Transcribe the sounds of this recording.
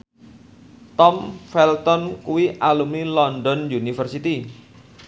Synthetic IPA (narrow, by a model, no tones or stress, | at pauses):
t̪ɔmfɛlt̪ɔnkuwiʔalumilɔndɔnjunifərsit̪i